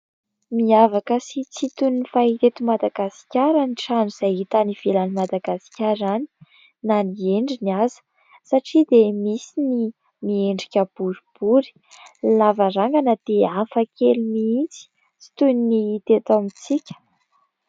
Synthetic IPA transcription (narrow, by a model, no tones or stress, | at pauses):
miavakəsit͡sit̪unːifait̪et̪umad̪aɡasi̥kʲaɾaniʈ͡ʂanuz̥ajit̪aniv̥elanimad̪aɡasi̥kʲaɾani̥ | nanieɳɖ͡ʐiniazə̥ | saʈ͡ʂid̪emisini | mieɳɖ͡ʐikʲəb̥uɾib̥uɾi̥ | lavaɾaŋɡanəd̪̥eafəkʰelumiint͡si̥ | t͡si̥t̪uniniit̪et̪amit͡sikʲə̥